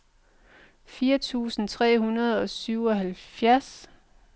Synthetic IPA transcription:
fiːɐt͡sʰṵːsn̩t͡sʰʁɛ̰ːhunɐð̞ˠɒ̽syʊɒ̽ɦælfjæɐs

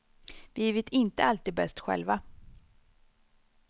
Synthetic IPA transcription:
vɪɛvɪt̪ʰɪnt̪əalt̪iːd̪̚bɛst̪ɧɛ̰lva

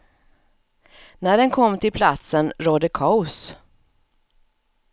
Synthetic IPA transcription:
næɖɛnkʰɔmːt̪ʰɪlpʰlat̪sənɾoːd̪əkʰaʊs

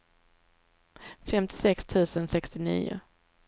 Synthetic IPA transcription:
fɛmt̪ʰɪ̥sɛkst̪ʰʉ̟ːsənsɛkst̪ɪnḭːʊ̰

